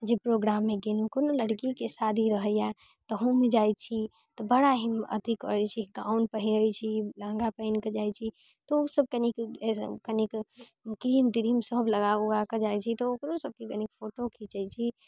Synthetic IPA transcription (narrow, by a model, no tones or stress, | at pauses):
d͡ʒepɾoɡɾamːeɡenukonoləɽkikesad̪ʱiɾəɦəja | t̪əɦũmed͡ʒaj̪t͡ʃʰi | t̪ɔbəɽaɦimə̰d̪ʱikɔ̰t͡ʃʰiɡaunpəɦiɾəjt͡ʃʰilãŋɡapəɪnked͡ʒajt͡ʃʰi | t̪ɔosəb̚kənikkənikkɾimd̪iɾimsəbləɡauaked͡ʒajt͡ʃʰit̪ɔokɾosəb̚kekənikpʰoʈokʰit͡ʃəjt͡ʃʰi